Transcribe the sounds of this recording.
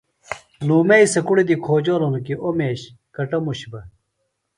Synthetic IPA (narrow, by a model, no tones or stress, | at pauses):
luːmeisɐkuɽid̪ikʰoːd͡ʑoːlonukiʔomeːɕ | kɐʈɐmuɕbɐ